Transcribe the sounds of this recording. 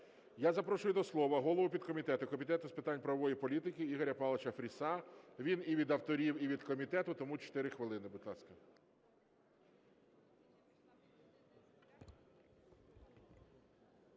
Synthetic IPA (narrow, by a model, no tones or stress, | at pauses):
jazɐpɾɔʃʊjʊd̪ɔslˠɔʋɐɦɔlˠɔʋʊpʲid̪̚kɔmʲit̪ɛt̪ʊkɔmʲit̪ɛt̪ʊspɪt̪ɑnʲpɾɐʋɔʋɔjipɔlʲit̪ɪkɪiɦɔɾʲɐpɑlˠɐt͡ʃɐfɾʲisɑʋʲiniʋʲid̪ɐwt̪ɔɾʲiwiʋʲid̪kɔmʲit̪ɛt̪ʊt̪ɔmut͡ʃɔ̥t̪ɪɾɪxʋɪlˠɪnɪbʊd̪lˠɑsʲkɐ